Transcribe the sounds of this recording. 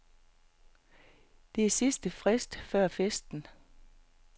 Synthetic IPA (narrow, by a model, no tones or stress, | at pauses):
d̥e̝æɐsisd̥əfʁɛsd̥fɶɐ̰fesd̥n̩